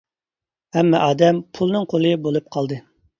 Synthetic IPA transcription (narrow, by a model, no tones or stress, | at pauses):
hɛmːɛʔɑːd̪ɛmpʰulˠnɨŋqʰolˠɨbolˠup̚qʰɑlˠd̪ɨ